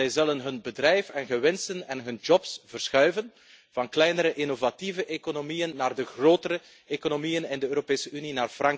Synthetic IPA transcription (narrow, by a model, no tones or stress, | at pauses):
ɛjzɵlənɦɵnbədrɛjfɛnɣəʋɛnstənɛnɦɵnd͡ʒɔpsvərsxœɥvən | vɑnklɛjnəɾəʔɪnovativəʔekonomijənːaːrdəɣroːtəɾə | ekonomijənɪndəøːɾopeːsəʔyninaːrfrɑŋ